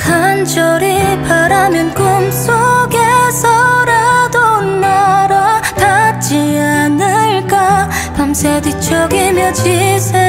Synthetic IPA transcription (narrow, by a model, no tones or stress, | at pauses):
kʰand͡ʑʌɾipaɾamjʌnkɯmsʰoɡesʰʌɾadonːaɾatat͡ɕianɯɭk͈a | tamsʰedit͡ɕʰʌɡimjʌd͡ʑisʰe